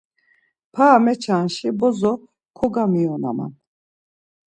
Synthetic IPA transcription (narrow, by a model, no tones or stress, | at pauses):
pʰaːmɛt͡ʃʰanʃibɔzɔ | kʰɔɡamiɔna̰ma̰n